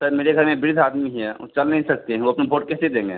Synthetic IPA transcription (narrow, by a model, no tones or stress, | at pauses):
səɾmeːɾeɡʱɐɾmẽbɪɾɪd̪ʱaːd̪miɦɛ̰t͡ʃɐlnɐɦĩsɐk̚t̪eɦɛ̃ʋoɐpnebʱoːʈ̚kɛːsed̪ẽːŋɡeː